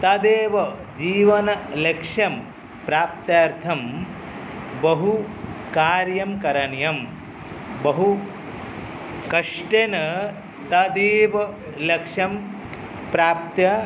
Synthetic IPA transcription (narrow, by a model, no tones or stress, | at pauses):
t̪ɐd̪eːʋɐ | d͡ʒiːʋɐnɐlekʂɐm | pɾaːp̚t̪jaːɾt̪ʰɐm | bɐɦukaːɾjɐmkɐɾɐɳjɐm | bɐɦu | kɐʂʈenɐ | t̪ɐd̪eːʋɐ | lɐkʂɐm | pɾaːp̚t̪jɐ